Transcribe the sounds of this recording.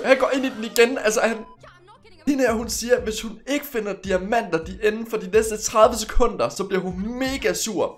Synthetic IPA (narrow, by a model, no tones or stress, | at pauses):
hænɡ̥ɒ̰ːe̝nid̥eniɡ̥enælsəhæn | hinɐɦunsiːɐʋe̝shune̝ɡ̥əfe̝nɐd̥iæmæn̰d̥ɐd̥iʔenn̩fɒ̽d̥inesd̥ət͡sʰʁɑ̈ð̞ˠʋəs̬e̥kʰɔ̽n̰d̥ɐsɒ̽b̥liɐ̰hunme̝ːɡ̥æsuɐ̰